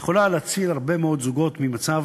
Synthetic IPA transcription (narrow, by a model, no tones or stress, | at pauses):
χo̞laleat͡silaʁbe̞meo̞d̪zuɡo̞t̪mimat͡sav